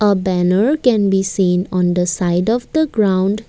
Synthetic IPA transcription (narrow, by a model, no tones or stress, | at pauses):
əbænəɾkɛ̃nbiːsĩːnɔ̃nd̪əsaɪɖɔʋd̪əɡɾãʊ̃ɳɖ